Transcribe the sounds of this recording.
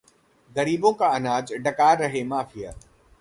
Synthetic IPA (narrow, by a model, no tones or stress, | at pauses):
ɡɐɾiːbõkaɐnaːd͡ʒɖɐkaːɾːɐɦemaːfɪja̰ː